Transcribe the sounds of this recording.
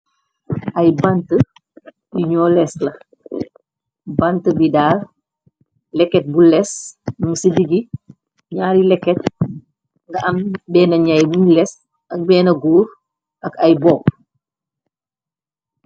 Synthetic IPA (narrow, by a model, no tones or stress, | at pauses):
ʔɐjbantə | diɲɔːlɛslɐ | bantəbidaːr | lɛkːɛt̚bulɛsnusidiɡi | ɲaːɾilɛkːɛt̚ | ŋɡɐʔɐmbɛːnɐɲajbuɲlɛs | ɐk̚bɛːnɐɡoːɾ | ɐkɐjbɔːk̚